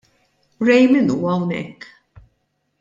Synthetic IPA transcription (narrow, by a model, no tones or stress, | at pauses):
ɾɛjmɪnuːɐwnɛ̰kː